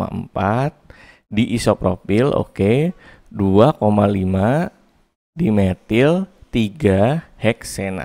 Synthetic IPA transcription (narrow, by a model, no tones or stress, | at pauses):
a̰ə̰mpat̪̚ | diʔisopɾopilo̰ke | duakomalima | dimet̪ɪlt̪iɡahɛksɛna̰